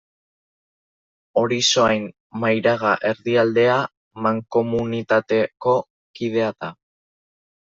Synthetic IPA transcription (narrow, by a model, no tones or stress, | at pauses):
o̞ɾiso̞ajn | majɾaɣ̞aʔe̞ɾðiald̪e̞a | maŋko̞munit̪at̪e̞ko̞ | kið̞e̞at̪a